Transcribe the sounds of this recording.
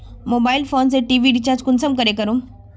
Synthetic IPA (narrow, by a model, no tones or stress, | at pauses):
moːbaːilfoːnseʈiːʋiɖit͡ɕaːɾd͡ʑkʊnsəmkəɾekɐɾõ